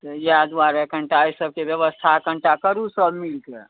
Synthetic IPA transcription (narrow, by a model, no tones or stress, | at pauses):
t̪əjad̪ʋaɾekə̃ɳʈaisəb̚keʋjəʋəst̪ʰakəɳʈakəɾusəbmilkḛ